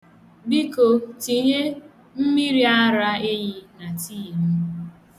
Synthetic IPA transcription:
bi˦ko˨ti˨ɦe˦ | m̩˦mi˦ɾi˦a˦ɾa˦e˦ji˨na˨tiː˦˨m̩˦

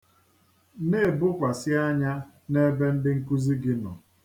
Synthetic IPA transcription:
ne˦˨bʊ˦kʷa˨sɪ˦a˦ɲa˦ | ne˦be˦n̩˦dɪ˦ŋ̩˦ku˦zi˦ɡɪ˦nɔ̰˨

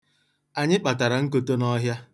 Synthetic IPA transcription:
a˨ɲɪ˦k͡pa˨ta˨ɾa˨ŋ̩˦ko˦to˦nɔ˦ɦja˦

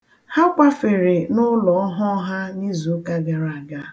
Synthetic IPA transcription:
ha˦k͡pa˦fe˨ɾe˨nʊ˦lɔ˨ɔ˦ɦɔ˦ɦa˦ni˦zu˨˦ka˦ɡa˨ɾa˨a˨ɡa˦

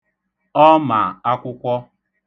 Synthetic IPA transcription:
ɔ˦ma˨a˦kʷʊ˦kʷɔ˦

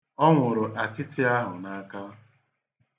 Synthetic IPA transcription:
ɔ˦ŋʷʊ˨ɾʊ˨ʔa˨tɪ˦tɪ˦a˦ɦʊ˨na˦ka˦

